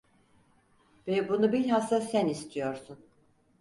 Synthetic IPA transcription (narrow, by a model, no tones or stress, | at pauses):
b̥ɛbunubilʲɦasasænist̪ʰijo̞ɾsun